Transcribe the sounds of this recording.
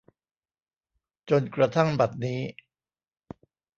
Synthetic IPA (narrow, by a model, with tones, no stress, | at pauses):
t͡ɕo˧nkɾa˧t̪ʰa˥˩ŋba˨˩t̪̚niː˦˥